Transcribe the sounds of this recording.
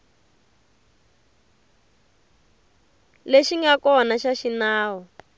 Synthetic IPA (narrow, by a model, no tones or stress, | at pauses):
leʃiŋɡakɔnaʃaʃinaːɦɔ